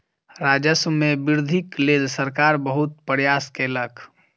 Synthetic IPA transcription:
ɾaːd͡ʒəsmẽbɪɾd̪ʱikleːlsəɾkaːɾbəɦʊt̪̚pəɾjaːskeləkʰ

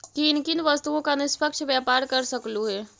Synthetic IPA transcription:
kiɪnkɪnʋɐst̪uõkanɪspəkʃʋjaːpaːɾkɐɾsɐkluɦɛː

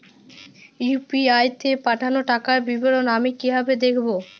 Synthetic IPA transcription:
jupiajt̪ʰepaʈʰanoʈakaɾbiboɾonamikibʱabed̪ekʰbo

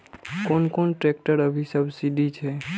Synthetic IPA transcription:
konkonʈɾek̚ʈəɾəbʱisəbsiɖit͡ʃʰe

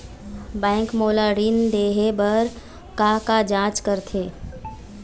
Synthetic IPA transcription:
bɛ̃ːŋkmoːlaːɾiːnd̪eːɦebəɾ | kakad͡ʒãːt͡ʃkəɾt̪ʰeː

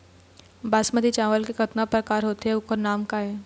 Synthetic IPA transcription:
baːsməd̪it͡ʃãːʋəlkekɐt̪napɾəkaːɾɦoːt̪eɦɛʊkoɾnaːmkaɦɛː

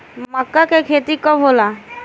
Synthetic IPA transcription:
məkːakekʰet̪ikɔɦola

